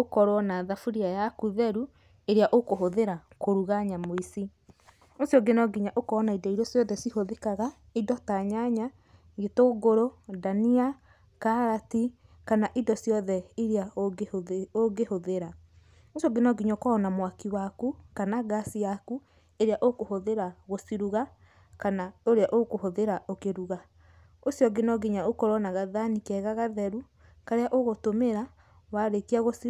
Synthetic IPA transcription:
okɔɾwɔnaðafuɾiajakuðɛɾu | eɾeaʔokoɦoðeɾakoɾuɣaɲamoisi | osiɔɡenɔɡiɲaʔokɔːnaidɔiɾɔsjɔðɛsihoðekaɣa | idɔtaɲaɲa | ɣetoɡoɾodania | kaɾati | kanaʔidɔsjɔðɛiɾea | oɡehoðeɾa | osjɔɡenɔɡiɲɔkɔːnamwakiwakukanaɡasijaku | eɾeaʔokohoðeɾaɣosiɾuɣa | kanaoɾeaʔokohoðeɾaʔokeɾuɣa | osjɔɡenɔɡeɲaokoɾɔnaɣaðanikɛɣaɣaðɛɾu | kaɾeaʔoɣotomeɾa | waɾekiaɣosi

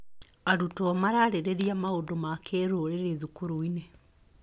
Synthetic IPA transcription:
aɾutɔmaɾaɾeɾeɾiamaodomakeɾooɾeɾeðukoɾoine

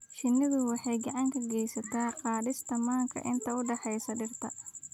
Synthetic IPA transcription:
ʃɪnːɪðʊwɑħɑjɡɑʕɑŋkʰɐɡɛjsɐt̪ʰaːqɑːdɪst̪ʰɐmaːŋkʰɐ̰ʔɪnt̪ʰɐʊɖɑħɛjsɐɖɪrt̪ʰɐ

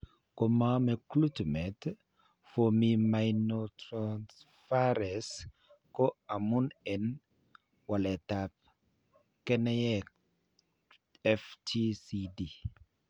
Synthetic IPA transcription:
komamɛklutmɛt̪ | fomimajnotɾans | faɾɛs | kɔamunɛn | walɛt̪ap̚ | kɛnɛjɛ | ɛftʰisidi

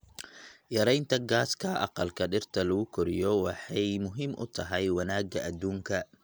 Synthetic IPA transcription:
jɐɾɛjnt̪ʰɐɡaːskʰɐʔɑ̰qɑlkʰɐɖɪrt̪ʰɐlɐɣʊkʰɔɾɪ̰jɔwɑħɑjmʊɦɪmʔʊ̰t̪ʰɐɦɛjwɐnaːɡɐʔɐd̪uːŋkʰɐ

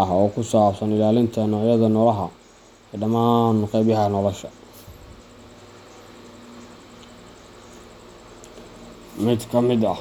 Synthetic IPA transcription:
ɐɦɔːkʰʊsaːbsɐnɪlaːlɪnt̪ʰɐnɔːʕjɐðɐnɔlɐɦɐ | ɛːɖɐmaːnqɑjbjɐɦɐnɔlɔʃɐ | mɪd̪kʰɐmɪd̪ɐ

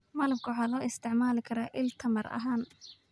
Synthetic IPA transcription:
mɐlɐmkʰʊwħɑːlɔːɪst̪ʰɪʕmaːlɪkʰɐɾaːʔɪlt̪ʰɐmɐrɐ̰ɦaːn

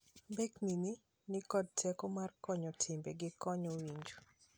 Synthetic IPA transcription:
bɛknini | nɪkɔd̚tʰɛkomarkɔɲɔtʰɪmbeɡɪkɔɲɔwiɲd͡ʒo

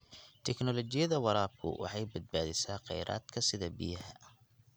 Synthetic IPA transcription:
t̪ʰɛknɔlɔt͡ʃɪjɐðɐwɑɾaːb̚kʰʊ̰wɑ̰ħɑjbɐd̪̚baːðɪsaːqɑ̰jɾʔa̰ːd̪̥kʰɐsɪðɐbɪ̰jɐhɐ

